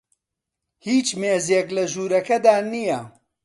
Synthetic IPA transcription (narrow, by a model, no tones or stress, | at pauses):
hiːt͡ʃmeːzeklɐʒuːɾɐkɐd̪aːnijɐ